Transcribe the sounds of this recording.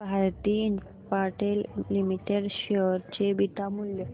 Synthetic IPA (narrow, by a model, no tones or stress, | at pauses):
bʱaɾt̪iːin | paɾʈellimiʈeɽɕeɾt͡ɕebit̪amuljə